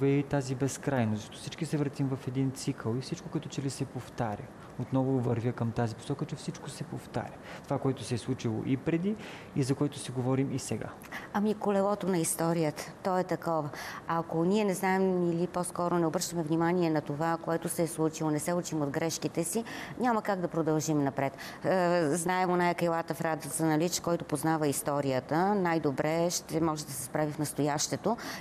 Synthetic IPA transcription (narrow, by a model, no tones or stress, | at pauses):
vɛit̪azibɛskɾajnozəʃt̪ɔt̪ɔ̥fsit͡ʃkisɛvɾət̪imvɐfɛd̪int̪sikʰəlˠifsit͡ʃkokɐɛt̪ɔt͡ʃɛlisɛpoft̪aɾʲə | ot̪nɔvovəɾvʲjəkəmt̪azipo̥sɔkət͡ʃɛfsit͡ʃkosɛpoft̪a̰ɾʲət̪ovakoɛt̪ʊsɛːslˠut͡ʃilˠo̰ʔipɾɛd̪i | izɐkoɛt̪ʊsɛɡovɔɾimisɛɡa̰ | amikolɛlˠɔt̪onɐist̪ɔɾijət̪ə̥t̪ɔɛt̪ɐkɔvəɐkoniɛnɛznaɛmilipɔskɔɾonɛobɾɤʃt̪əmɛvnʲimaniɛnɐt̪ovakoɛt̪ʊsɛːslˠut͡ʃilˠonɛsɛut͡ʃimod̪ɡɾɛʃkit̪ɛsiɲʲaməkaɡd̪ɐpɾod̪ɐlˠʒimnɐpɾɛt̪ː | znaɛmonajɐkɐjlˠat̪əfɾad̪zɐnɐlit͡ʃkɔjt̪opoznavəist̪ɔɾijət̪ənajd̪obɾɛʃt̪ɛmɔʒɛd̪ɐsɛspɾavifnɐst̪ojaʃt̪ɛt̪o